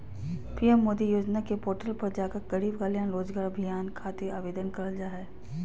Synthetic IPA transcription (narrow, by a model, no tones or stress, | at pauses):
piːɛmːoːd̪ijoːd͡ʒnakepoːʈəlpɐɾd͡ʒaːkaɡɐɽiːbɡaːljaːnɾoːd͡ʒɡaːɾɐbʱɪjaːnkʰaːt̪eaːʋeːd̪ənkɐɾəld͡ʒaɦɛː